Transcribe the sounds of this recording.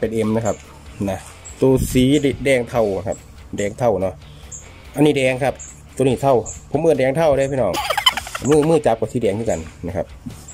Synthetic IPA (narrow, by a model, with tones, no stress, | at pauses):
pe˧nʔe˧mna˧˩kʰa˦˧˥p̚ | na˧ | t̪uː˧siː˨˦˧dɛː˧ŋt̪ʰa˧˩wa˨˧kʰa̰˧p̚ | dɛː˨˧ŋt̪ʰa˧˩wnɔ˧˥ | ʔa˧nːiː˧˩dɛː˧ŋkʰa˦˥˩p̚ | t̪uː˧˦niː˧˩t̪ʰa˧˥˩wpʰo˨˦mʔɯː˧˨ndɛː˧ŋt̪ʰa˧˥˩wɾa˧˨˧pʰiː˧˨nɔː˧˩ŋmɯː˥˩˨mɯː˥˧˩t͡ɕa˨˧˥p̚kɔː˧˩siː˨˦dɛː˧ŋt̪ʰiː˧˩ka̰˧nːa˧˩kʰa˧p̚